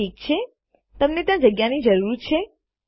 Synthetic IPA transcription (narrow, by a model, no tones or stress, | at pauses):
ik̚t͡ʃʰe | t̪əmnet̪jãd͡ʒəɡjanid͡ʒəɾuɾt͡ʃʰe